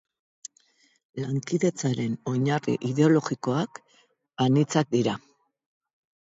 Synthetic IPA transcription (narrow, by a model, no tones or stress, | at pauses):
laŋkiðe̞t͡saɾe̞no̞ɲarḭʔiðe̞o̞lo̞ɣiko̞ak | anit͡sak̚d̪iɾa